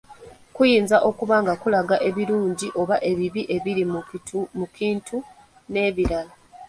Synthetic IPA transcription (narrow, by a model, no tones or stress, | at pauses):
kujiːnzaʔo̞kuβaːŋɡakulaɡaʔe̞βiɾuːɲɟiʔo̞βaʔe̞βiβiʔe̞βiɾimmukiːntʰu | ne̞ːβiɾala